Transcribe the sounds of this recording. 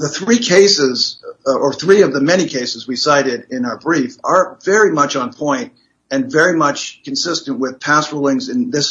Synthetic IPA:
ðəθɹikʰeɪsɪzə˞θɹiʌvðɨmɛñikʰeɪsɨzwisaɪɾɪɾɪ̃naʊə˞bɹifə˞vɛɹimʌt͡ʃn̩pʰɔ̃ɪ̃nt̚ | ɨ̃nvɛɹimʌt͡ʃkɨ̃n̩sɪstɨ̃nʔwɪð̥pʰæsɹulˠɪ̃ŋzɨ̃nðɪs

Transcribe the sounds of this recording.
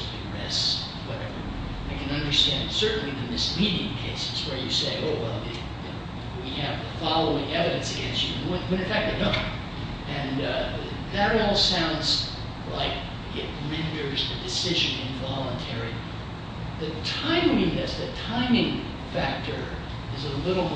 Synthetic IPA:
ɨ̃ɹɪ̰s | wʌɾɛvə˞ | aɪkʰɨ̃nʌ̃ndə˞stæ̃nd̥sɜ˞ʔn̩liðɨmɪsmiɾɪ̃ŋkʰeɪsɨ̥zwə˞jɨ̰seɪʔoʊwɛ̰lˠj | jɨnoʊ | wiɨvðəfɑlˠoʊɪ̃ŋɛvɨɾɨ̃nsɨɡɛ̃nst͡ʃʉ̃wɨ̃wɨ̃ñɨ̃nfæk̚tɨdʌ̃n | ɨ̃n | ðɨɾɔlˠsãʊ̃ndz | laɪk̚ | ɪt̚mɛ̃ndə˞zðɨdɨsɪʒɨ̃nɨ̃ɱvɑlˠə̃ntʰɛɹi | ðɨtʰãɪ̃mlĩðɪsðɨtʰãɪ̃mɪ̃ŋ | fæk̚tʰə˞ | ɨzəlɪɾl̩ˠ

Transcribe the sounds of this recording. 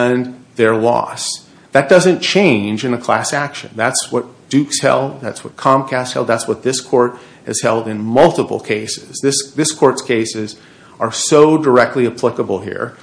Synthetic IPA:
ə̃nðə˞lɔ̰s | ðɨt̚d̥ʌzɨ̃nt͡ʃʰẽɪ̃nd͡ʒɨ̃nɨkʰl̥æsækʃɨ̰̃nðætswʌt̚d̥ʉkshɛ̰lˠd̚ðætswʌt̚kʰɑ̃mkʰæsthɛ̰lˠd̪̚ðætswʌt̪̚ðɪskʰɔɹɾ̚ | hɨ̰z̥hɛlˠdɨ̃nmʌlˠtəpl̩ˠkʰeɪsɪz̥ðɪsðɪskʰɔɹtskʰeɪsɪz | ə˞soʊdə˞ɛk̚tˡliɨpʰl̥ɪkəbl̩ˠɦḭɹ

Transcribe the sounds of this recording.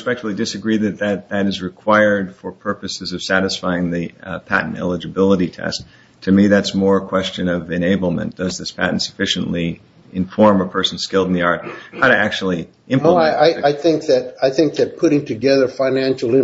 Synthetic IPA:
spɛk̚tfl̩ˠidɨsɨɡɹiðɨt̪̚ðɨt̪̚ðɨɾɨzɹɨkʰw̥aɪə˞d̥fə˞pʰɜ˞pɨsɨzʌv̥sæɾɨsfaɪɪ̃ŋðɨpʰæ̰ʔn̩tɛ̰lˠəd͡ʒɨbɪlˠəɾitʰɛ̰s | tʰɨmiðætsmɔɹəkʰw̥ɛst͡ʃɨ̃nʌvɨ̃neɪbl̩ˠmɨ̰̃nd̥ʌzðɪspʰæ̰ʔn̩tsɨ̥fɪʃɨ̃n̩ʔli | ɨ̃ɱfɔɹməpʰɜ˞sn̩z̥skɪlˠdn̩ðiɑɹt̚haʊɾɨʔæk̚t͡ʃul̩ˠi | ɪ̃mɛaɪaɪaɪθɪ̃ŋk̚ðɨɾaɪθɪ̃ŋk̚ðɨt̚pʰʊɾɪ̃ŋtʰɨɡɛðə˞fãɪ̃næ̃nʃl̩ˠɪ̃

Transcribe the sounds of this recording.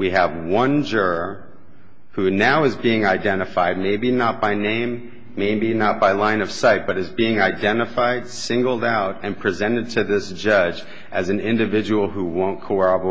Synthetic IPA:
wiɨvwʌ̃nd͡ʒɜ˞ə | hʉnaʊɨzbiɪ̃ŋaɪdɛ̃ɾ̃ɨfaɪd̚meɪbinət̚b̥aɪnẽɪ̃mː | eɪbinət̚b̥aɪlãɪ̃nʌv̥saɪt̚b̥ʌɾɨzbiɪ̃ŋaɪdɛ̃ñɨfaɪd̥sɪ̃ŋɡl̩ˠdaʊɾɨ̃npʰɹ̥izɛ̃ñɨd̚tʰɨðɪsd̥ʒ̥ʌd͡ʒ | ʔɨzn̩ɪ̃ndɨvɪd͡ʒəwl̩ˠɦuwõʊ̃nkʰoʊɑb

